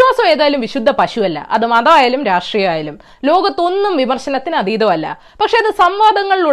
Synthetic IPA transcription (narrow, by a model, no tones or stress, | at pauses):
waːsɐmeːðaːlumʋiɕud̪ʱːɐpɐɕuɐlːɐ̰ʔɐ̰ðɨmɐðɐʋaːjaːlumɾaːʂʈrijɐaːjalum | lo̞ːɡɐt̪ːo̞nːumʋimɐrɕɐnɐt̪ːinɐd̪iːðɐʋɐlːɐ̰ | pɐkʂe̞ɐðɨsɐmʋaːd̪ɐŋːɐɭiɭu